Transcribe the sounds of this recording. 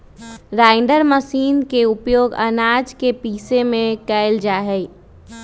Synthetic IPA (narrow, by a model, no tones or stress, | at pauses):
ɾaːɪɖəɾməsiːnkeʊpjoːɡə̰naːd͡ʒkepiːsemẽkɛɪld͡ʒaːɦɛi